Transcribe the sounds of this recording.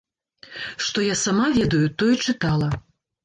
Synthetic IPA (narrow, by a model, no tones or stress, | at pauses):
ʂt̪ɔjasamavʲɛd̪ɐjut̪ɔjt͡ʂɨt̪alˠɐ